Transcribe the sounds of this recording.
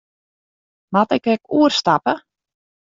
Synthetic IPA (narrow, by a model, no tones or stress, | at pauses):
matɪkɛkuərstapə